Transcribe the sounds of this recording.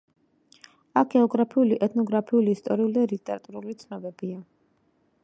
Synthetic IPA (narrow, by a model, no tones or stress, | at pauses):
ak̚ɡɛɔɡɾapʰiuliʔɛt̪ʰnɔɡɾapʰiuliːst̪ʼɔɾiulid̪alit̪ʼɛɾat̪ʼuɾulit̪sʰnɔbɛbia